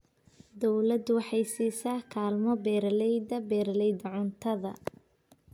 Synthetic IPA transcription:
d̪ɔwlɐd̪wɑħɑjsiːsaːkʰaːlmɔbɛːɾɐlɛjd̪ɐbɛːɾlɛjd̪ɐʕʊnt̪ʰɐðɐ̰

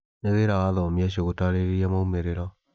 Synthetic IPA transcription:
neðeɾawaðɔmiaɕoɣotaɾeɾeiamoumeɾeɾɔ

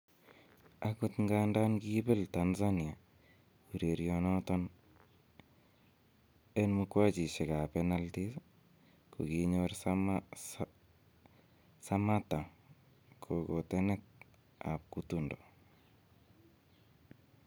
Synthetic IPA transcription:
akut̪ŋɡandankibeltanzania | kuɾeɾjonɔtɔn | enmukwat͡ʃiʃekapɛnaltis | ko̰kiɲoɾ | samata | kʰokotɛnɛt̚ | a̰p̚kutundo

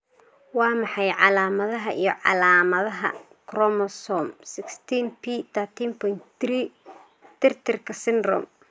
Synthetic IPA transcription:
wɑːmɑħɑjʕɑlaːmɐðɐɦɐʔijɞʕɑ̰laːmɐðɐɦɐ̰ | kʰrɔmɔsɔmsɪkst̪ʰinpʰit̪ʰɐt̪ʰiːnpʰɔjnt̪ɾi | t̪ʰɪrt̪ʰɪrkʰɐsɪnd̪rɔ̰m

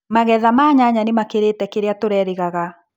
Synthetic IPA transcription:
maɣɛðamaːɲaɲanemakeɾetɛkeɾeatoɾɛɾeɣaɣa

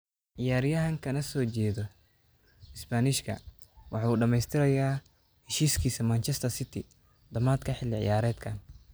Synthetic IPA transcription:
ʕɪjaːɾɪjɐɦɐŋkʰɐnɐsɔːt͡ʃɛːðɔ | ɪspaːnɪʃkʰɐ̰ | wʔɑ̰ħɑːuːɖɐmɛjst̪ʰɪɾɐjaː | hɛʃiːskʰiːsɐmɐnt͡ʃʰɛst̪ʰɐsɪt̪ʰɪ | d̪ɐmaːd̪kʰɐħɪlːɪʕɪ̰jaːɾɛːd̪kʰɐːn

